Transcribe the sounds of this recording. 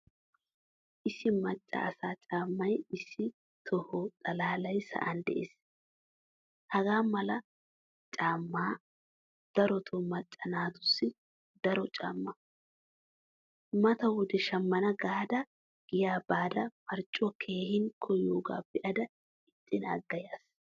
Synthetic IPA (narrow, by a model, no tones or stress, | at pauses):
ʔɪsːɪmɐt͡ʃʼːɐ̰ɐsaːt͡ʃʼaːmːɐjɪsːɪ | t̪ʰɔhɔt̪ʼɐlaːlɐjsɐ̰ʔɐnd̪ɛ̰ʔḛːs | hɐɡaːmɐlɐ | t͡ʃʼaːmːaː | d̪̥ɐɾɔt̪ʰɔmɐt͡ʃʼːɐnaːt̪ʊsːɪ | d̪ɐɾɔt͡ʃʼa̰ːmːɐ | mɐt̪ɐwʊd̪ɛʃɐmːɐnɐɡaːd̪ɐ | ɡ̥ɪjaːbaːd̪ɐmɐɾt͡ʃʼːɔkʰe̞ːhɪŋkʰːɔjoːɡa̰ːbɪʔɐd̪ɐ | ɪt̪ʼːɪnɐ̰ɡːɐjaːs